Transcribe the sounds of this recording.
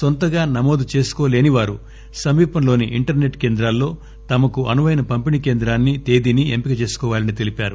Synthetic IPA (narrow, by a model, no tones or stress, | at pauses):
sont̪ɐɡaːnɐmoːd̪ut͡ʃe̞ːsu̥koːle̞ːniʋaːɾu | sɐmiːpɐmlo̞ːniʔiɳʈɐɾne̞ʈke̞ːnd̪ɾaːlːo̞ː | t̪ɐmɐkuɐnuʋɐjnɐpɐmpinikeːnd̪ɾaːnːit̪e̞ːd̪iniempikɐt͡ʃe̞ːsu̥kɔːʋaːlɐnit̪e̞lipaːɾu